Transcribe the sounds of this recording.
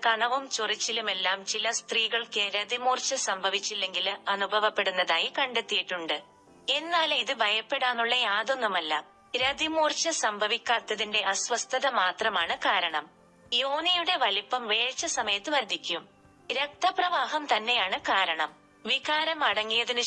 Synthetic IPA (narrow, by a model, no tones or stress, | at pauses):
kɐɳɐʋumt͡ɕurit͡ɕːilume̞lːaːmt͡ɕilɐst̪riːɣɐɭkɨɾɐd̪imuːrt͡ɕːɐsɐmbʱɐʋit͡ɕːilːe̞ŋɡilɐnubʱɐʋɐpːe̞ɽunːɐðaːjikɐɳɖet̪ːijiʈːuɳɖɨ | e̞nːaːliðɨbʱɐjɐpːe̞ɽaːnːuɭːɐjaːðo̞nːumɐlːɐ̰ | ɾɐd̪imuːrt͡ɕːɐsɐmbʱɐʋikʲːaːrt̪ːɐðinde̞ɐsʋɐst̪ʰɐðɐmaːt̪rɐmaːɳɨkaːɾɐɳɐm | jo̞ːnijuɽe̞ʋɐlipːɐmʋe̞ːɻt͡ɕːɐsɐmɐjɐt̪ːɨʋɐɾd̪ʱːikʲːum | ɾe̞k̚t̪ːɐprɐʋaːɦɐmt̪ɐnːe̞jaːɳɨkaːɾɐɳɐm | ʋiɣaːɾɐmɐɽɐŋːijɐðinɨ